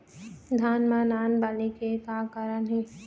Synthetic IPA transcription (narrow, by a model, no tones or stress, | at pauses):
d̪ʱaːnmãnaːnbaːlikekakaɾənɦẽː